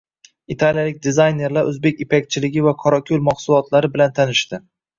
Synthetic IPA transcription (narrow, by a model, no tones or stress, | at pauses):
it̪ʰaljalɪk̚ʲd̪ɪzajne̞ɾlaɾʔɵzbekʲɪpʰak̚ʲt͡ʃʰɪlɪɡʲɪvakʰɒɾakʲʰolmɒχsʊlˠɒt̪ʰlaɾɪbɪlant̪ʰanɪʃt̪ɪ